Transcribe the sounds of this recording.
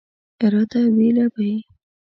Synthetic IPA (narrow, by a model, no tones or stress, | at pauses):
ɪɾɑd̪awelabai